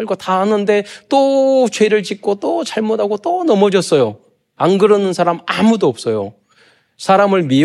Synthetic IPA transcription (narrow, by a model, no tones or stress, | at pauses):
ɭɡotaɦanɯnde̞t͈ot͡ɕwe̞ɾɯɭt͡ɕik͈̚ot͈ot͡ɕaɭmodʱaɡot͈onʌmʌd͡ʑʌs͈ʌjo | anɡɯɾʌnɯnsʰaɾamamudoʌp̚s͈ʌjo̰ | sʰaɾamɯɭmi